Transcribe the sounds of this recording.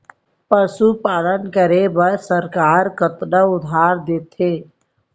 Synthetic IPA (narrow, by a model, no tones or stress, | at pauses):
pəsupaːlənkəɾebəɾsəɾkaːɾkət̪ɗəʊd̪ʱaːɾd̪eːt̪ʰeː